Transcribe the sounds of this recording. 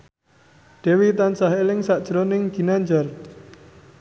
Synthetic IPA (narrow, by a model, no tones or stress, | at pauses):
ɖ̥e̤wit̪ansaɦelɪŋsaʔd̥ʒ̥ɾonɪŋɡ̥i̤naɲd͡ʒar